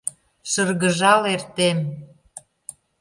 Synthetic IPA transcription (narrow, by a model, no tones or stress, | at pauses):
ʃərɣəʒɑlert̪em